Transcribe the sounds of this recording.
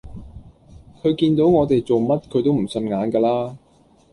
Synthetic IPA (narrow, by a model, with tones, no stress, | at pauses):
kʰɵ˨˧ɥkiː˧nt̪o˨˥wŋɔː˨˧t̪e˨jt͡so˨wmɐ˥t̚kʰɥt̪̬wm̩˨˩sɵ˧nŋaː˨˧˥nkɛː˧laː˥